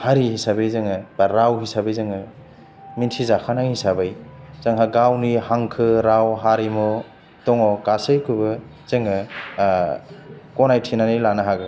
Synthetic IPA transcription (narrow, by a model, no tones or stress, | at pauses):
haɾihisabɯjzɯŋɯbaɾawɦisabɯjzɯŋɯ | mintʰizakʰanajhisabɯjz̥aŋɦaɡawnihaŋkʰɯɾawɦaɾimɔ | tɔŋɔkasɯjkʰɯbɯ | z̥ɯŋɯ | kɔnajtʰinanijlanaɦaɡɯ